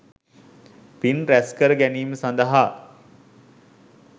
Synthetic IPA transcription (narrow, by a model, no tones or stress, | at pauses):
pinɾæskəɾəɡæniːməsand̪əɦa